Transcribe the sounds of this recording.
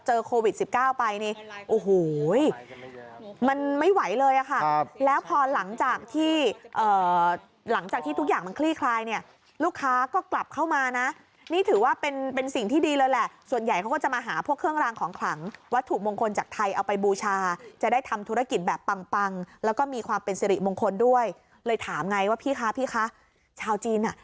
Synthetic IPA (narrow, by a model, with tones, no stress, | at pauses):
t͡ɕɤː˧kʰoː˧wi˨˩si˨˩p̚kaː˥˩wpa˧jni˧˩ʔoː˨˩ɦoː˨˩˦j | ma˧nma˥˩jwa˩˦jlɤː˧jʔa˨˩kʰa˥˩lɛː˦˥wpʰɔː˧la˩˦ŋt͡ɕaː˨˩k̚t̪ʰiː˥˩ʔɤː˨˩ | la˩˦ŋt͡ɕaː˨˩t̪ʰiː˥˩u˦˥k̚jaː˨˩ŋma˧nkʰliː˥˩kʰlaː˧jni˥˩ɐ | luː˥˩kʰːaː˦˥kɔː˥˩kla˨˩p̚kʰa˥˩wmaː˧na˦˥ | niː˥˩t̪ʰɯː˩˦waː˥˩pe˧npe˧nsi˨˩ŋt̪ʰiː˥˩diː˧lɤː˧jlɛ˨˩ʔsu˨˩ənja˨˩jkʰa˦wkɔː˥˩t͡ɕa˨˩maː˧ɦaː˩˦pʰu˥˩əkʰːɯ˥˩əŋɾaː˧ŋkʰɔː˩˦ŋkʰla˩˦ŋwa˦˥t̪ʰːu˨˩mo˧ŋkʰo˧nt͡ɕaː˨˩k̚t̪ʰa˧jʔa˧wpa˧jbuː˧t͡ɕʰaː˧t͡ɕa˨˩da˥˩jt̪ʰa˧mt̪ʰu˦˥ɾa˧˩ki˨˩t̪̚bɛː˨˩pːa˧ŋpa˧ŋlɛː˦˥wkɔː˥˩miː˧kʰwaː˧mpe˧nsi˧ɾi˨˩mo˧ŋkʰo˧ndu˥˩əj | lɤː˧jt̪ʰaː˩˦mŋa˧jwaː˥˩pʰiː˥˩xʰaː˦˥pʰiː˥˩xʰaː˦˥ | t͡ɕʰaː˧wt͡ɕiː˧nʔa˨˩ʔ